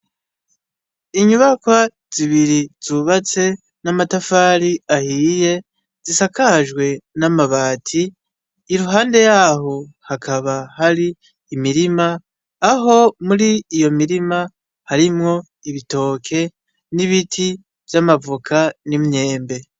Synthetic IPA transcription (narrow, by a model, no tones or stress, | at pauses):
iɲuβakwa | z̥iβiɾiz̥uβat͡se̞ | namatafaːɾiahiːje̞ | zisakaʒɡwe̞namaβaːtʰiː | ɾuɦaːnde̞jaːɦo̞hakʰaβahaɾiː | miɾimaː | ɦo̞muɾiːjo̞miɾima | haɾimŋo̞ | iβito̞ːkʰe̞ | niβitʰi | vjamavukʰanimɲe̞ːmbe̞